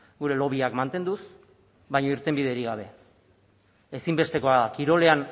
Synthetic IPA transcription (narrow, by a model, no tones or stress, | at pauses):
ɡuɾe̞lo̞β̞iakmant̪e̞nd̪us | βajɲoiɾt̪e̞mbið̞e̞ɾiɣaβ̞e̞ | esimbe̞st̪e̞ko̞aakiɾo̞le̞an